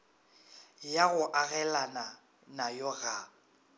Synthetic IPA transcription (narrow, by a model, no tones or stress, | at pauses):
jaɣʊʔaɣɛlana | najɔɣa